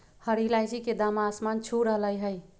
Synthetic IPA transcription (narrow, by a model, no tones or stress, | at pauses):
həɾilajd͡ʒiked̪amaːsmant͡ʃʰuɾəɦləjɦəj